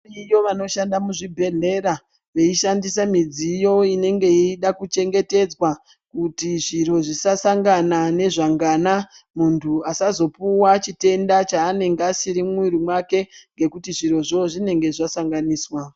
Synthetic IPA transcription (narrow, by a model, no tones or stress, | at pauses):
ijo̞ʋano̞ʃandamuʐibʱe̞ɮe̞ɾa | ʋeiʃandisamid͡zijo̞ine̞ŋɡe̞iɗakut͡ʃe̞ŋɡe̞te̞d͡zwa | kutiʐiro̞ʐisasaŋɡanane̞ʐaŋɡana | muntʰuasazo̞puwat͡ʃite̞ndat͡ʃaːne̞ŋɡasiɾimwiɾimwake̞ŋɡe̞kutiʐiro̞ʐoʐine̞ŋɡe̞ʐasaŋɡaniːswa